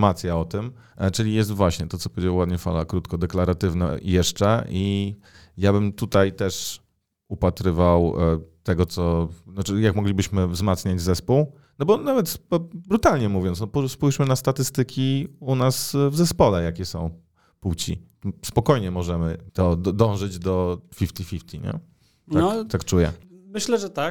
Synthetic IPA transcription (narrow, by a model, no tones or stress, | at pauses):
mat̪sʲjaɔt̪ɘm | t͡ʂɘlʲijɛs̬t̪vwaɕɲɛt̪ɔt̪ɔpɔvjed͡ʑawad̪ɲɛfa̰lakɾut̪kɔd̪ɛklaɾat̪ɘvna̰jɛʂt͡ʂɛʔi | jabɘmt̪ut̪ajt̪ɛʂ | upat̪ɾɘvawt̪ɛɡɔt̪sɔnɔt͡ʂɘjakmɔɡlʲibɘɕmɘvzmat̪sɲad͡ʑzɛspuw | nɔbɔnavɛt̪sbɾut̪alɲɛmuvʲjɔnt̪nɔpuspujʂmɘnast̪at̪ɘst̪ɘkʲiunasvzɛspɔlɛjakʲɛsɔ̃w̃ | puwt͡ɕḭ | spɔkɔjɲɛmɔʐɛmɘt̪ɔd̪d̪ɔ̃w̃ʐɘd͡ʑd̪ɔfʲift̪ʲifʲift̪ʰʲiɲɛ̰ | t̪at̪akt͡ʂujɛ̰mɘɕlɛʐɛt̪ak̚